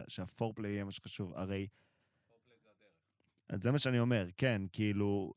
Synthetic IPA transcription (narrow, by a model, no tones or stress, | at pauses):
ʃeafoʁpleijemaʃeχaʃuva̰ʁe̞j | a̰zemaʃeanio̞me̞ʁkenkiilu